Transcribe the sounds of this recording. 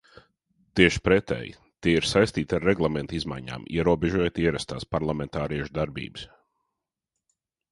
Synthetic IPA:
t̪iɛʃpɾɛt̪ɛ̰j̰ | t̪iɛiɾsajst̪iːt̪ʲaɾːɛɡlˠamɛnt̪izma̰jɲa̰ːmḭɛɾuɔbɛʒuɔjt̪iɛɾast̪aːspaɾlˠamɛnt̪aːɾiɛʃud̪aɾbḭːbɨs

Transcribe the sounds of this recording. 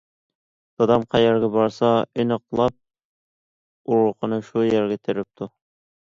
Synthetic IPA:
d̪̥ɑd̪ɑmqʰɑjæɾɡʲæbɑɾsɑɪnɨqlˠɑp̚ | uɾqənɨʃujæɾɡʲɛt̪ʰɪɾɪp̚t̪ʰʊ

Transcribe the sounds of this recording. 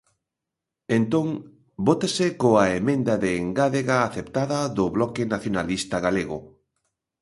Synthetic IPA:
ent̪õŋ | bot̪esɪkoaemẽnd̪ɐðeːŋɡaðeɣaːθept̪aðɐðʊβlɔkenaθjonalist̪ɐɣaleɣʊ̰

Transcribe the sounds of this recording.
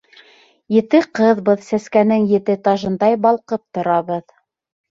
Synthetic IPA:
jɘ̆t̪ɘqɤðbɤðsæskænɘŋjɘ̆t̪ɘt̪ɑʒɤ̆nd̪ɑjbɑlˠqɤp̚t̪ŏɾɑβɤð

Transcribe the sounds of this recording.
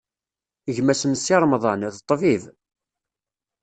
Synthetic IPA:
əʝmæsəmsːiɾˤmðˤɑnðt̪ˤːviv

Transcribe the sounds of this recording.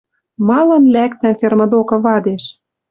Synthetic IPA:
mɑlɤ̆nlækt̪æmfʲermɤ̆d̪okɤ̆βɑd̪eʃ

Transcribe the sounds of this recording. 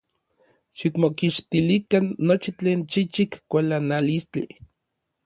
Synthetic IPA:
ʃikmokiʃt̪ilikanːot͡ʃit͡ɬeːnt͡ʃit͡ʃikːʷalanalist͡ɬi

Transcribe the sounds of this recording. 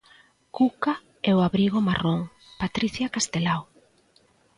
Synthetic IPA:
kuka | ɛoaβɾiɣ̞omaroŋ | pat̪ɾiθjakast̪elaw

